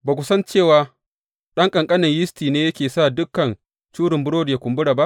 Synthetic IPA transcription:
baː˨kʷʊ˨sɐ˦nt͡ʃeː˦˨waː˦ | ɗɐ˦ŋkʼɐ˨ŋkʼɐ˦nɪ˨ɲjɪ˦stiː˨neː˦jɐ˦kʲeː˨sa˦˨dʊ˦kːɐ˨n | t͡ʃuː˦ɽɪ˨mbʊ˦ɾoː˦dja˨kʷʊ˨mbʊ˦ɽaː˨ba˦ʔ

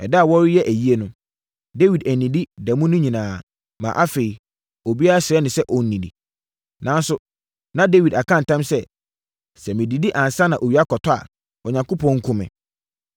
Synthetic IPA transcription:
ɛ˨dɛ˦a˨wɔ˦ɾɪ˦jɛ˦ʔæ˨ji˦e˦nʊ̃˨ | de˦wi˨dæ˨nĩ˨di˦dɛ˨mʊ̃˦nʊ̃˦ɲĩ˨nãː˨ | mã̰˨ʔa˦fe˨i˨ | o˨bi˦a˦ɾa˦ɕɪ˨ɛ˦nɪ̃˨sɛ˦ʔɔ˨n̩˦nĩ˨dḭ˨ | nã˦n˦sʊ˦ | nã˦de˦wi˨da˨kʰã˦n̩˨tʰã˦msɛ˦ | sɛ˨mɪ̃˨di˨di˦ʔã˨n˨sa˦nã˨ʔo˨wi˨˦a˦kɔ˨tʰɔ˦a̰˨ | ɔ˨ɲã˨ŋko˦pʰɔ̃˦ŋ̩˦kʰʊ̃˦mɪ̰̃˨

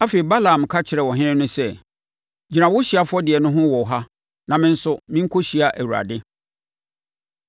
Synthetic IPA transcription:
a˦fe˨i˨ba˦lã˨m˨kʰa˦t͡ɕʰɪ˨ɾɛ˨wɔ˨ɦɪ̃˦nɪ̃˦nʊ̃˦sɛ˦ | d͡ʑi˨nã˨wʊ˦ɕi˨a˨fʊ˦ɔ˦dɪ˨ɛ˨nʊ̃˦ɦʊ̃˦wɔ˨ɦa˦ | nã˨mɪ̃˦n̩˦sʊ˦mɪ̃˦ŋ̩˦kʰo˦ɕi˨a˨ʔæ˨wu˨ɾa̰˨dɪ˦

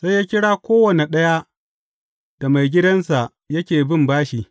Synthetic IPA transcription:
sa˦jaː˦kʲɪ˦ɽaː˦kʷoː˦wɐ˨ne˨ɗɐ˦ja˦ | d̥a˨ma˨jɡʲɪ˦dɐ˦nsa˨ʔ | jɐ˦kʲeː˨bɪ˦mbaː˦ʃi˨

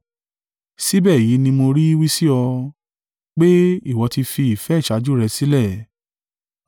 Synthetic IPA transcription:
si˦bɛː˦˨ji˨˦nĩ˧mo˧ɾi˦i˦wi˦si˦ɔ˧ | k͡pe˦i˦˨wɔ˨˧ti˧fi˧i˨fɛ˨˦i˦˨ʃa˨˦d͡ʒu˦ɾɛ˧si˦lɛ˦˨

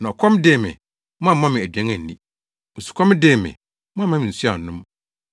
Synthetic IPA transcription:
nã˨ɔ˨kʰɔ̃˦m˦deː˦˨mɪ̰̃˨ | mã˦a˦˨˦mã˦mɪ̃˨æ˨dɥæ̃˦ŋæ̃˨n̩ː˨nĩ˦ | n̩˨su̥˨kʰɔ̃˦m˦de˦˨mɪ̰̃˨ | m̃˦˨˦mã˦mɪ̃˨n̩˨su˦a̰˨nʊ̃˦m

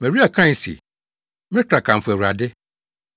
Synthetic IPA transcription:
mɛ̃˨ɾi˦a˨kʰã˦˨sḭ˨ | mɪ̃˦ɪ̃˦kʰɾa˨kʰã˨m̩˨fʊ˨æ˨ɾa˨dɪ˦

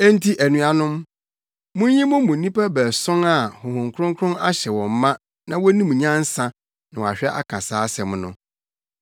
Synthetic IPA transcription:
æ˦n˦tʰi˦ʔæ˨nũ˨a˦nʊ̃˦m | mʊ̃˦ɲĩ˦mʊ̃˦mʊ̃˨nĩ˦pʰa˦bæ˨sɔ̃˦ŋa˨hʊ˨hʊ̃˨ŋkʰɾʊ̃˦ŋkʰʊ˦ɾʊ̃˦na˦ɕɛ˨wɔ̃˨m˨˦mã˦ | nã˨wɔ˦nĩ˦m̃˨ɲã˦n̩˦sã˨ | nã˨wa̰˨ɕᶣɛ˦ʔa̰˦kʰã˨saː˦sɛ˨m˨nʊ̰̃˨

